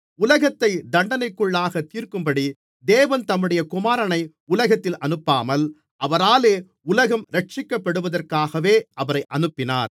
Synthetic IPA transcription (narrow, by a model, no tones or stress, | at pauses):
ʊlɐɣɐt̪ːɐɪd̪ɐɳɖɐnɐɪkːɯɭːaːɣɐt̪ːiːrkɯmpɐɽi | d̪eːʋɐnt̪ɐmːɯɽɐjɐkʊmaːɾɐnɐɪ | ʊlɐɣɐt̪ːɪlʔɐnɯpːaːmɐl | ʔɐʋɐɾaːleː | ʊlɐɣɐmɾɐʈ̚t͡ʃɪkːɐpːɐɽɯʋɐðɐrkaːɣɐʋeːɐʋɐɾɐɪʔɐnɯpːɪna̰ːɾ